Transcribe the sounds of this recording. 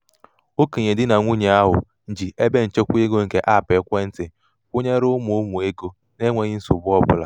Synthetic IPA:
o˦ke˨ɲe˨dɪ˦na˨ŋʷu˦ɲe˨a˦ɦʊ̰˨ | n̩˨d͡ʒi˨ʔe˦be˦n̩˨t͡ʃe˦kʷu˦e˦ɡo˦ŋ̩˨ke˦ʔa˦˨pe˨˦kʷe˦n̩˦tɪ˨ | kʷʊ˦ɲe˦ɾʊ˦mʊ˨ʊ˦mu˨e˦ɡo˦ | ne˦ŋʷe˨ɲɪ˦n̩˦sʊ˨bʊ˦ɔ˦bʊ̰˨la̰˨

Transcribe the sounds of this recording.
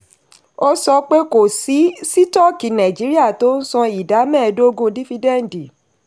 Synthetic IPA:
o˦sɔ˧k͡pe˦ko˨si˨˦si˦tɔ˦˨ki˨nã˨d͡ʒi˨˦ɾi˦a˦˨to˦n̩˦sɔ̃˧i˨da˨˦mɛ̃˦˨˧do˦ɡõ˧di˦fi˧dɛ˦˨n̩˨di˨

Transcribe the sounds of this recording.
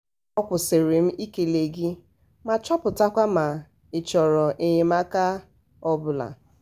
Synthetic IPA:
ɔ˦kʷʊ˨se˨ɾe˨m̩˦i˦ke˨le˨ɡi˦ | ma˨t͡ʃɔ˦pʊ˨ta˦kʷa˦ma˨ | ɪ˨t͡ʃɔ˨ɾɔ˨ʔe˨ɲe˨ma˦ka˦ | ɔ˦bʊ˨la̰˨

